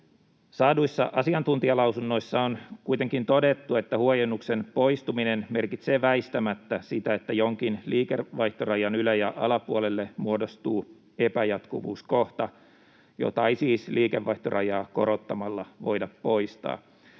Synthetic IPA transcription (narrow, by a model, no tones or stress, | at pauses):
sɑːduisːɑ̰ʔɑsiɑnt̪unt̪iɑlɑwsunːo̞isːɑonkuit̪e̞ŋkint̪o̞det̪ːue̞t̪ːæhuojenːuksenpo̞ist̪uminenme̞rkit̪seːʋæist̪æmæt̪ːæsit̪æet̪ːæjoŋk̟inliːkerʋɑiht̪orɑjɑnylæjæʔɑlɑpuolelːemuodost̪uː | epæjɑt̪kuʋṵːskoht̪ɑ | jo̰t̪ɑisiːsliːkeʋːɑiht̪orʔɑjɑːko̞ɾot̪ːɑmɑlːɑʋo̞̰idɑppo̞ist̪ɑ̰ː